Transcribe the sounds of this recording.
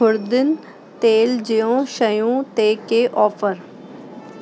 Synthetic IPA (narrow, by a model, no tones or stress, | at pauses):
ʊɾd̪ɪn | t̪eːld͡ʒɪjõːʃəjũːt̪eːkeːʔɔːfʰəɾ